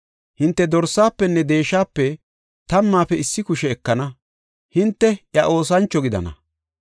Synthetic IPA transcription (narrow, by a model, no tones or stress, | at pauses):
hɪnt̪ːɛd̪ɔɾsːaːpːɛnːɛd̪e̞ːʃːaːpːɛ | t̪ɐmːaːpɛɪsːɪkʊʃɛːkːɐnɐ | hɪnt̪ːɛʔjɐʔo̞ːs̬ɐnt͡ʃːɔɡɪd̪ɐ̰nɐ̰